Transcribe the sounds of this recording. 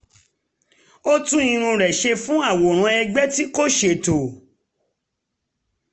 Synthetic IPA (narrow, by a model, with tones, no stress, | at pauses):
o˦tũ˦ĩ˧ɾ̃ũ˧ɾɛ˨ʃe˧fũ˦a˦˨wo˨ɾ̃ã˨˧˦ɛ˧ɡ͡bɛ˦ti˦ko˦ʃe˧˨to˨